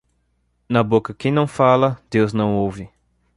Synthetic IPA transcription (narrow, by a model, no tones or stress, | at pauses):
nɐbokɐkɪnɐ̃w̃falɐd̪ewznɐ̃w̃owvɪ